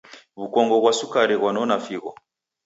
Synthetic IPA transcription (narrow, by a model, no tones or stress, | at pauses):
βukɔŋɡɔβwasukaɾiβwanɔnafiɣɔ